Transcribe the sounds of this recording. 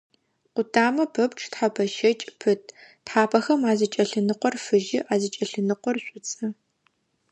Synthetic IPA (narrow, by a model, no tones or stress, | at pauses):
qʷʊtʰaːmɐpʰɐpʈ͡ʂʰʼtħapʰɐʃɐt͡ʃʼpʰɨtʰtħaːpʰɐxɐmaːzɨt͡ʃʼɐɬɨnɨqʷɔrfɨʒɪʔaːzɨt͡ʃʼɐɬɨnɨqʷɔrɕʷʼʊt͡sʼɐ